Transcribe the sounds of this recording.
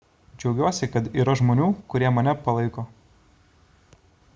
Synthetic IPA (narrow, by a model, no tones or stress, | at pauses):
d͡ʒʲɛʊɡʲuɔsʲɪkɐt̪iːɾɐʒmoːnʲuːkʊɾʲiɛmɐnʲɛpɐlˠɐɪkoː